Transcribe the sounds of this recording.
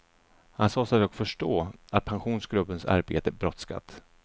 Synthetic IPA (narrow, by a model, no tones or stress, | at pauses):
hansɑːsad̪ɔkfœʂʈoːat̪̚pʰanɧuːnsɡɾɵpːənsa̰ɾbḛːt̪əbɾɔt̪ska̰t̪ː